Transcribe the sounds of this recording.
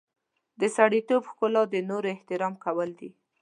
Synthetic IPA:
d̪əsaɽit̪obxkʊlɑd̪ənoɾoɪht̪ɪɾɑmkawəld̪i

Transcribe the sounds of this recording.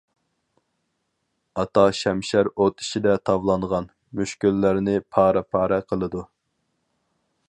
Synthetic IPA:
ɑt̪ʰɑʃɛmʃæɾot̪ʰi̥ʃid̪ɛt̪ʰɑvlˠɑɴʁɑn | myʃkʲylːæɾnɪpʰɑːɾɛpʰɑːɾɛqʰəlˠɨd̪u

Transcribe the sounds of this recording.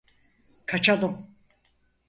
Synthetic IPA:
kʰat͡ʃʰad̪ɯm

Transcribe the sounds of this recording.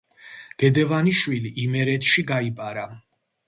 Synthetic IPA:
ɡ̥ɛd̪ɛvaniʃwiliʔimɛɾɛt̪ʰʃiɡaipʼaɾa

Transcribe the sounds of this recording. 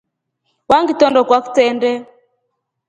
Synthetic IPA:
waŋɡitɔndɔkwaku̥tɛndɛ

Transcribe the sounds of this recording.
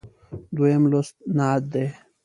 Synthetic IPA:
d̪uemlosnaːt̪̚d̪e

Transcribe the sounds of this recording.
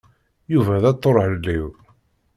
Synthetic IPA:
juvæðæt̪ˤːoɾˤʕlːiw

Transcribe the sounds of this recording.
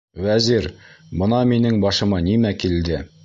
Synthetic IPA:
wæziɾbɤ̆nɑminɘŋbɑʃɤ̆mɑnimækild̪ɘ

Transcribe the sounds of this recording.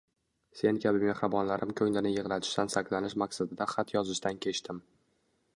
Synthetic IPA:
se̞nkʲʰabɪmeχɾabɒnlaɾʔɪmkʲʰɵŋlɪnɪjɨʁlˠat̪ʰɪ̥ʃt̪ansaklanɪʃmaksad̪ɪd̪aχat̪ʰjɒzɪʃt̪ankʲʰe̞t͡ʃt̪ʰɪm

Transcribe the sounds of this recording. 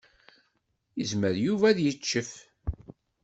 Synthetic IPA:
jəzməɾjuvæðjət͡ʃːəf

